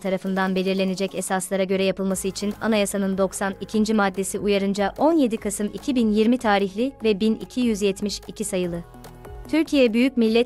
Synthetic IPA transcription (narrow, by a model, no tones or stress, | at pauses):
t̪ʰaɾafɯnd̪anbe̞lʲiɾlʲe̞ned͡ʒɛcɛsaslˠaɾaɟø̞ɾɛjapɯlˠmasɯit͡ʃʰina̰najasanɯnd̪o̞ksanicʰind͡ʒimad̪ːe̞siʔujaɾɯnd͡ʒaʔo̞nje̞d̪ikʰasɯmicʰibinjiɾmit̪ʰaːɾiçlʲivɛbinḭcʰijyzjɛt̪miʃicʰisajɯlˠɯ | t̪ʰyɾcʰijɛbyjyc̚milʲːɛ